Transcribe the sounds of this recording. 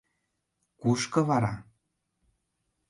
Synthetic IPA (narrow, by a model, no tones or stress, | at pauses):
kuʃkɤ̆βɑɾɑ